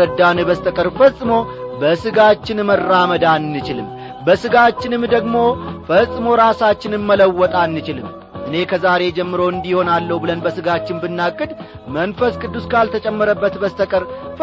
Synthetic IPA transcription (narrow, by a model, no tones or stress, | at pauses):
əd̪anɨbəst̪ʰəkʼəɾfəsʼːɨmo̞bəsɨɡat͡ʃːɪnmərːaməd̪anːɨt͡ʃɪlɨmː | bəsɨɡat͡ʃːɪnɨmd̪əɡmo̞fəsʼɨmo̞ɾasat͡ʃːɪnɨmːələwːɔt̪ʼanːɨt͡ʃɪlɨm | ʔɨne̞kʰəzaɾe̞d͡ʒɛmːɨɾo̞ɨnd̪iho̞nalːəhubɨlənbəsɨɡat͡ʃːɪnbɨnːakʼːɨd̪ | mənfəskʼɨd̪ːuskʰalt̪ʰət͡ʃʼɛmːəɾəbːət̪bəst̪ʰəkʼəɾf